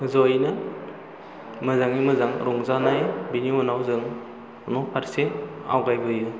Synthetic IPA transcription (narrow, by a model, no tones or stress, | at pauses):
zɔjnɯ | mɯzaŋimɯzaŋɾɔŋzanajbiniɔnawzɯŋ | nɔpʰaɾsea̰wɡajbɯjɯ